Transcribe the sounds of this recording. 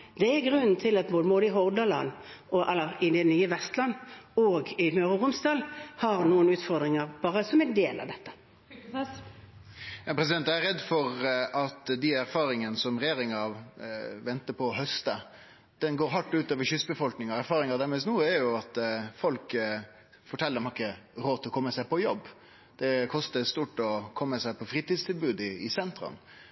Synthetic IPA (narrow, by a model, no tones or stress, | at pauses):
d̪̥ɛæɡʁʉnːn̩t̪ʰɪlɑt̪̚boːd̪əboːd̪əɪɦɔʁd̪ɑlɑ̰nːɔʔɛlːəɪd̪ɛnyːəʋɛst̪lɑnːoːɡɪmœːʁəʁʊmsd̪ɑːlhɑʁnuːənʉːt̪fɔʁd̪ʁɪŋəʁb̥ɑːʁəsɔmɛnd̪eːlʔɑ̰ʋd̪ɛt̪ːə̥ | jɑːpʰɾɛs̬ɪd̪ɛnt̪æɾɛd̪ːfɔɾʔɑt̪d̪ɪæɾfɑːɾɪŋənəsɔmɾɛjeːɾɪŋʋʋɛnt̪əpʰɔːɦœst̪ə | d̪̥ɛnɡoːɾɦɑʈːʉːt̪øːʋəɕʏsːbəfɔlknɪŋɑæɾfɑːɾɪŋɑɾd̪æɾmɛːst̪nuːəæɾjʊɑt̪fɔlk | fɔʈʰɛlːɾɛmhɑʁɪkːəɾoːt̪ʰɪlɔkɔmːəsæɪpɔjɔbː | d̪̥ɛkʰɔst̪əst̪uːʈːɔkʰɔmːəsæɪpʰɔfɾiːt̪iːd̪st̪ʰɪlbʉːd̪ɪɪsɛnt̪ɾɑ̰n